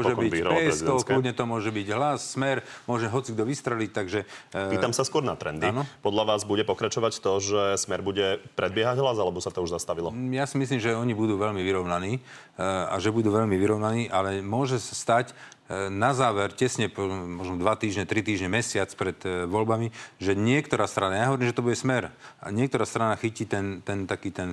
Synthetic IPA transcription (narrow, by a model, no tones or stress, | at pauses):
mmɔʒɛbiiɾɛzid̪ɔʊkludɲɛt̪ɔmʊɔʒɛbiɟɦlasːmɛɾmʊɔʒɛɦɔt͡siɡd̪ɔʋist̪ɾɛlic̚t̪aɡʒɛiːt̪amsaskʊɔɾna̰t̪ɾɛ̰nd̪inɔpɔd̪ʎaʋaːzbuɟɛpɔkɾat͡ʃɔʋact̪ɔʒɛsmɛɾbuɟɛpɾɛd̪bɪɛɦaɟɦlazalɛbɔsat̪ɔuʒzast̪aʋilɔjasimis̬liːmʒɛɔɲibud̪uːʋɛʎmiʋiɾɔʊnaniː | a̰ʒɛbud̪uːʋɛʎmiʋiɾɔʊnaniːʔalɛmʊɔʒɛsḁst̪ac | nazaːʋɛɾcɛsɲɛpɔmɔʒnɔd̪ʋat̪iːʒɲɛt̪ɾit̪iːʒɲɛmɛsɪat͡spɾɛt̪ʋɔlbamiʒɛɲɪɛkt̪ɔɾaːst̪ɾanajaɦɔʋɔɾimʒɛt̪ɔbuɟɛsmɛɾʔa̰ɲɪɛk̚t̪ɔɾaːst̪ɾanaxiciːt̪ɛnt̪ɛnt̪akiːt̪ɛn